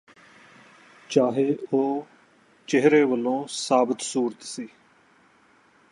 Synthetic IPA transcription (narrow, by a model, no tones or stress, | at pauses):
t͡ʃaːɦeːoː | t͡ʃɪɦɾeːʋəlːõːsaːbət̪suːɾət̪siː